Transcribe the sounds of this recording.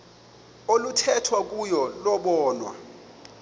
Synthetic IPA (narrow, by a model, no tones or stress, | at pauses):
olutʰɛtʰwak̬ʼujɔlɔɓɔːnwa̰